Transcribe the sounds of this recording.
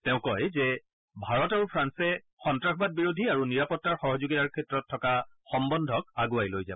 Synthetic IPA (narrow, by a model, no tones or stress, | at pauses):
tɛʊ̃kɔjzɛ | bʱaɹɔtaɹupʰɹansɛ | xɔntɹaxʰbad̚biɹodʱiaɹuniɹapɔtːaɹxɔɦɔzuɡitaɹkʰɛtːɹɔtʰːɔkaxɔmbɔndʱɔk̚aɡuajlojza̰